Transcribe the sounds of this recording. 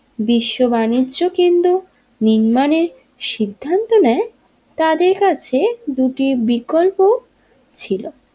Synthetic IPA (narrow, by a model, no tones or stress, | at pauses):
biʃːobaniːʑokind̪u | niɾmaneɾ | ʃid̪ʱːant̪onɛe | t̪ad̪eɾkat͡ɕʰed̪uʈibikolpo | t͡ɕʰilo